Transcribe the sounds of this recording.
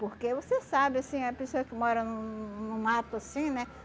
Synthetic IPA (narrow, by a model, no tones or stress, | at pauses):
poɾkevosesabɪasĩɐpesoɐkɪmɔɾɐnʊ̃nʊ̃mat̪ʊasĩnɛ